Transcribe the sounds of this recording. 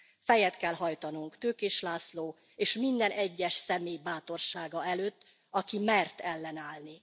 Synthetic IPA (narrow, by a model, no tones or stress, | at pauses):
fɛjɛt̪kɛlɦɒjt̪ɒnuŋkt̪øːkeːʃlaːsloː | eːʃmind̪ɛnʔɛɟːɛʃsɛmeːjbaːt̪o̞rʃaːɡɒɛløːt̪ː | ɒkimɛrt̪ɛlːɛnaːlni